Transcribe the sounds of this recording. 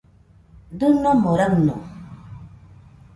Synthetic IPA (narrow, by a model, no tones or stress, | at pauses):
d̪unɔmoɾaknṵ